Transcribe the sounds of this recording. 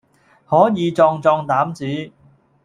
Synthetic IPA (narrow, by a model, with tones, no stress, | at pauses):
hɔː˨˥jiː˨˧t͡sɔː˧ŋt͡sɔː˧ŋt̪aː˨˥mt͡siː˨˥